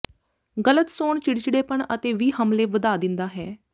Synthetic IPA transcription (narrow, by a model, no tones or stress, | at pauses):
ɡələt̪soːɳt͡ʃɪɽt͡ʃɽeːpəɳət̪eːʋiːɦəmleːʋəd̪aːd̪ɪnd̪aːɦɛː